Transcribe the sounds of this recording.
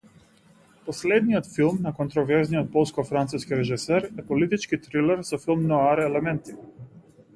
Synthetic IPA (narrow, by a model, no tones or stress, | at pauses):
pɔslɛd̪nijɔt̪filˠmnakɔnt̪ɾɔvɛɾznijɔt̪̚pɔlˠskɔfɾant̪suskiɾɛʒisɛɾɛpɔlit̪it͡ʃkit̪ɾilɛɾsɔfilˠmnɔaɾɛlɛmɛnt̪i̥